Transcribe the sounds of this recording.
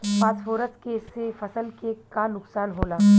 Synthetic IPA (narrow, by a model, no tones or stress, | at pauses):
paːsfoːɾəskeːsːefɐsəlkekanʊksaːnɦoːlaː